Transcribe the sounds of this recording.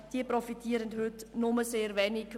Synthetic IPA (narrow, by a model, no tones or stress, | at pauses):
d̥iːəprɔfitʰiːɾənthʏtnʊməseːɾvɛːnɪk